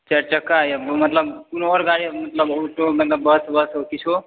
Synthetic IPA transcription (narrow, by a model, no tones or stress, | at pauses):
t͡ʃəɾt͡ʃakajabmət̪ləbpunoɾɡaɽimət̪ləboʈomend̪abəsbəsokit͡ʃʰo